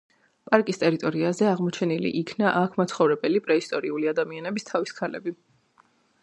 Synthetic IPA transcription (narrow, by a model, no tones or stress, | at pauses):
pʼaɾkʼist̪ʼɛɾit̪ʼɔɾiazɛaʁmɔt͡ʃʰɛnilḭʔikʰnaʔakʰmat̪sʰχɔvɾɛbɛlipʼɾɛist̪ʼɔɾiuliad̪amianɛbist̪ʰaviskʰalɛbi